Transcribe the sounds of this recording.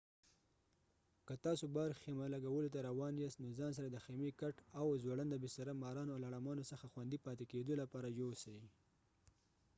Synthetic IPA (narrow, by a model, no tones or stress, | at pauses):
kət̪ɑsobaɾxemalaɡawəlot̪̬aɾawɑnjɑst̪nozɑns̬aɾad̪əxemekaʈawzwaɽand̪əbest̪aɾamɑɾɑnoalaɽamɑnosəxaxwand̪ipɑt̪eked̪olapɑɾajosaji